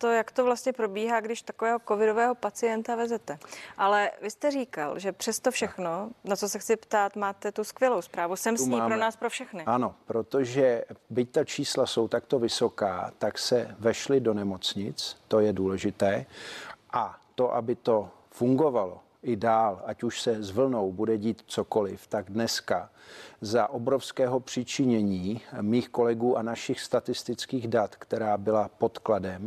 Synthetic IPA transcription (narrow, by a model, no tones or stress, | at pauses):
t̪ojakt̪ovlast̪ɲɛpɾo̞biːɦaːɡdɪʃt̪akovɛːɦokovɪdovɛːɦo̞pat͡sɪjɛnt̪avɛzɛt̪ɛʔalɛvɪst̪ɛriːka̰lʒɛpr̥ɛst̪ofʃɛxnonat͡sosɛxt͡sɪpt̪aːt̪maːt̪ɛt̪uskvjɛlo̞wspɾaːvusɛmsipɾonaːspɾofʃɛxnɪano̞pɾot̪oʒɛbɪc̚t̪at͡ʃiːslaso̞wt̪akt̪o̞vɪso̞kaːt̪aksɛvɛʃlɪdonɛmo̞t͡sɲɪt͡st̪o̞jɛduːlɛʒɪt̪ɛːʔat̪o̞ʔa̰bɪt̪o̞ | fuŋɡo̞valo̞̰ | ʔɪdaːlacuʃsɛzvl̩no̞wbudɛɟiːt̪t͡so̞ko̞lɪft̪aɡdnɛska | zaʔo̞bɾo̞fskɛːɦo̞pr̥ɪt͡ʃɪɲɛɲiːmiːxko̞lɛɡuːʔanaʃɪxst̪at̪ɪst̪ɪt͡skiːɣdat̪kt̪ɛɾaːbɪlapo̞t̪kladɛm